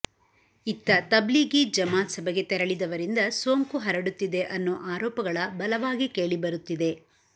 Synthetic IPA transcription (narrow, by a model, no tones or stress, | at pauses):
it̪ːɐt̪ɐbliɡid͡ʒɐmaːt̪sɐbʱeɡe̞t̪ɛɾɐɭid̪ɐʋɐɾind̪ɐsoːŋkuɦɐɾɐɽut̪ːid̪e̞ʔɐnːuʔaːɾɔːpɐɡɐɭɐbɐlɐʋaːɡike̞ːɭibɐɾut̪ːid̪e̞